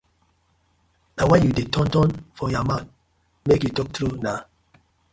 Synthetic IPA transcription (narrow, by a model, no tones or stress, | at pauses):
nawajudetʰɔ̃ntɔ̃nfɔjamãn | mekjutɔk̚tɾuna